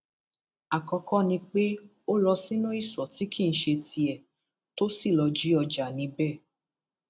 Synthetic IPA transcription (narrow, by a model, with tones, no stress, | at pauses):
a˨kɔ˧kɔ˦nĩ˧k͡pe˦ | o˦lɔ˧si˦nũ˦i˦˨sɔ˨ti˨˦kʰi˦˨n̩˨˦ʃe˧tʰi˧ɛ˨ | to˦si˦˨lɔ˧d͡ʒi˨˦ɔ˧d͡ʒa˨nĩ˧bɛ˦˨